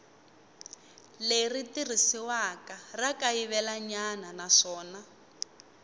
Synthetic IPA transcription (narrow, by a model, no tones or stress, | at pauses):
leritir̤isiwakarakaiβɛlaɲananaʂɔːna